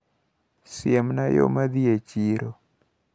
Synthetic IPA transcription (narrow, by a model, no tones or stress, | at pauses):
sɪemnajo̰mad̪iet͡ʃiɾo